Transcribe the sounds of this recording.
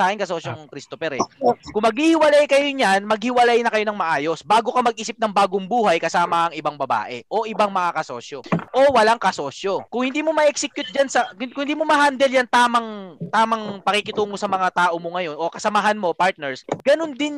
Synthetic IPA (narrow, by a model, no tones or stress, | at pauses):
aːkɪnkɐso̞ːsjoŋkɾist̪opɛɾɛkʊŋmɐɡ̚hiːhɪwɐlajkɐjoɲanmɐɡ̚hɪwɐlajnɐkɐjo̞nɐŋmɐʔaːjo̞sbaːɡo̞kɐmɐɡ̚ʔiːsɪp̚nɐŋbaːɡoŋbuːhɐjkɐsaːmɐʔɐŋɪbaŋbɐba̰ːʔɛ̰ʔo̞ʔɪbaŋmɐŋakɐso̞ːʃjoʔo̞wɐlaŋkɐso̞ːsjo̞kʊŋhɪnd̪iːmomɐʔɛksɛkjʊt̪̚d͡ʒɐnsɐʊŋhɪnd̪imomɐɦand̪ɛljɐnt̪aːmɐŋt̪aːmɐŋpɐkikɪt̪uːŋosɐmɐŋat̪aːʔo̞moŋɐjo̞nʔo̞kɐsɐmaɦɐnmo̞paɹt̪̚nɛɹsɡ̥ɐnond̪ɪn